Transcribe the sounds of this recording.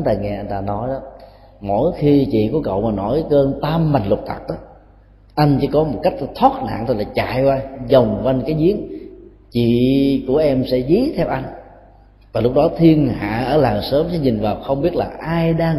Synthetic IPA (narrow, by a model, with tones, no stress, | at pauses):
t̪aː˧ŋɛ˧ʔa˧jŋ̟t̪aː˧nɔ˨˦jɗɔ˨˦ | mo̰˧˩jxi˧t͡ɕḭ˧˨kɔ˨˦kə̰˧˨wmaː˨˩nɔ˧˩˦jkəː˧nt̪aː˧mːa˨˩ŋ̟lʊ˨˩t̚t̪ʰə˨˩t̚ʔaː˨˦ | ʔa˧jŋ̟t͡ɕɨ̰˧˦kɔ˨˦mo˨˩t̚ka˦˥jk̚t̪ʰwaː˦˥t̚na̰ː˧˨ŋt̪ʰo˧˩laː˨˩t͡ɕa̰ː˧˨jkwaː˧zə˨˩wŋ͡mva˧nkaː˨˦jzi˨˦ən | t͡ɕḭ˧˨ku˧˩əʔɛ˧msɛ̰˧˥zi˨˦t̪ʰɛ˧wʔa˧jŋ̟ | vaː˨˩lʊ˦˥k͡p̚ɗɔ˨˦t̪ʰi˧ənɦa̰ː˧˨ʔəː˧˩laː˨˩wsəː˨˦msɛ̰˧˥ɲï˨˩ŋ̟vaː˨˩wxə˧wŋ͡mɓi˦˥ət̚laː˨˩ʔaː˧jɗaː˧ŋ